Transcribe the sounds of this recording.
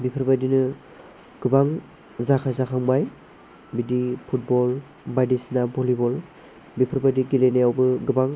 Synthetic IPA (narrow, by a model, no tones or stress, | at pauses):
bipʰɯɾbadinɯ | ɡ̥ɯbaŋ | zakʰazakʰaŋbaj | bidipʰut̚bɔl | bajdisnabɔlibɔl | bipʰɯɾbadiɡilenejawbɯɡɯbaŋ